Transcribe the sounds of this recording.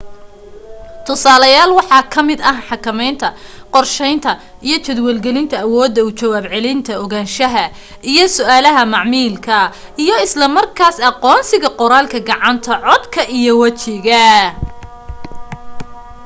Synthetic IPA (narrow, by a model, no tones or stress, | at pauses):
t̪ʰʊsaːlɐjaːlwɑħɑːkʰɐmɪd̪ɐhħɑkʰɐmɛjnt̪ʰɐqɔrʃɛjnt̪ʰɐ | ʔijɞt͡ʃɐd̪wɛlɡɛlɪnt̪ʰɐːwɔːd̪ːɐʊt͡ʃɐwaːbʕɛlɪnt̪ʰɐɔɣaːnʃɐɦɐ | ʔijɞsʊaːlɐɦɐmɑʕmiːlkʰɐ | ijɔɪslɐmɐrkʰaːsɑqɔːnsɪɣɐqɔɾaːlkʰɐɡɑʕɑnt̪ʰɐʕɔd̪kʰɐʔijɔwɐt͡ʃɪɣɐ